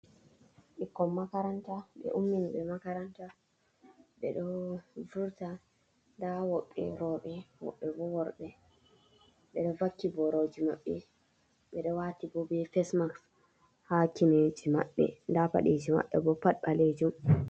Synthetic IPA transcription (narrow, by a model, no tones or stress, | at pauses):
ɓikːɔmːakaɾantaɓɛ̰ʔumːiniɓɛmakaɾanta | ɓɛɗɔvuɾta | ndawɔɓːɛ̰ɾɔɓɛwɔ̰ɓːɛbɔwɔɾɗɛ | ɓɛɗɔvakːibɔɾɔd͡ʒimaɓːɛ | ɓɛɗɔwatibɔbɛfɛsmaks | hakined͡ʒima̰ɓːɛ̰ndapa̰ɗed͡ʒima̰ɓːɛbɔpaɗɓaled͡ʒum